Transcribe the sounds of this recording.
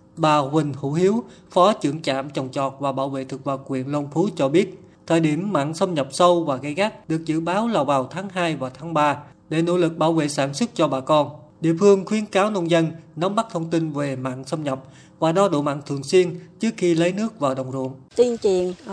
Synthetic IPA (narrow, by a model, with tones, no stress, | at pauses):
ɓaː˨˩wï˨˩ŋ̟hṵ˧˥hi˨˦əw | fɔ˨˦t͡ɕɨ˧˩əŋt͡ɕa̰ː˧˨mt͡ɕwŋ͡mt͡ɕɔ˨˩t̚vaː˨˩ɓaː˧˩wvḛ˧˨t̪ʰɨ˨˩k̚vaː˨˩wkwḭ˧˩˨ənlo˧ŋ͡mfʰu˨˦t͡ɕɔ˧ɓi˦˥ət̚ | t̪ʰəː˨˩jɗi˧˩əmːa̰ː˧˨nsə˧wŋ͡mɲə˨˩wp̚sə˧wvaː˨˩ɣa˧˦jɣa˦˥k̚ɗɨ˨˩ək̚zɨ̰˧˨ɓaː˨˦wlaː˨˩wvaː˨˩wt̪ʰaː˨˦ŋɦaː˧jvaː˨˩wt̪ʰaː˨˦ŋɓaː˧ | ɗe˧˩no̰˧˥lɨ˨˩k̚ɓaː˧˩wvḛ˧˨saː˧˩nswə˦˥t̚t͡ɕɔ˧ɓaː˨˩kɔ˧nɗḭ˧˨əfɨ˧əŋxwi˨˦ənkaː˨˦wnə˧nzə˧nnɔ˨˦wmːa˦˥t̚t̪ʰə˧wŋ͡mt̪i˧nve˨˩ma̰ː˧˨nsə˧wŋ͡mɲə˨˩wp̚ | vaː˨˩ɗɔ˨˧˦ɗo̰˧˨ma̰ː˧˨nt̪ʰɨ˨˩əŋswi˧ənt͡ɕɨ˦˥ək̚xi˧lə˨˦jnɨ˦˥ək̚vaː˨˩wɗə˨˩wŋ͡mzṵ˧˨ənt̪i˧nt͡ɕwḭ˧˨əŋ